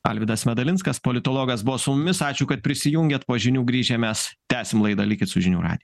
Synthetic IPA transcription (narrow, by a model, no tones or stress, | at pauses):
ɐ̰lʲʋʲɪd̪ɐsmʲɛd̪ɐlʲɪnskɐspolʲɪt̪oːlˠoːɡɐsbʊʋoːsʊmʊmʲɪsɑːt͡ʃʲʊːkɐt̪̚pʲɾʲɪsʲɪjuŋʲɡʲɛːt̪poːʒʲɪnʲuːɡɾʲiːʒʲɛmʲɛst̪ʲæːsʲɪmlˠɐɪd̪ɐlʲɪkʲɪt̪sʊʒʲɪnʲuːɾɑ̰ːd̪ʲɪj